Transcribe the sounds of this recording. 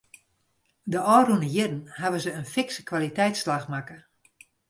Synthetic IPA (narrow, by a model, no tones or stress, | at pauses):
dəɔːrunəjɪdn̩haʋəzəənfɪksə̥kʋalitɛjtslaxmakə